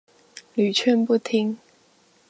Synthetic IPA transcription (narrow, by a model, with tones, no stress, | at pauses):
ly˨˩t͡ɕʰɥɛ˥˧npu˥˩t̪ʰi˥ŋ